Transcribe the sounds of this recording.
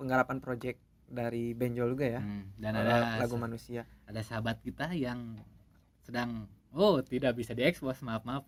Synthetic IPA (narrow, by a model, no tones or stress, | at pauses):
pəŋɡaɾapanpɾod͡ʒɛk̚ | daɾibɛɲd͡ʒɔd͡ʒuɡajadanadalaɡumanusiaadasəɦabat̪̚kit̪ajaŋ | sədaŋot̪idak̚bisadiɛkspɔsmap̚map̚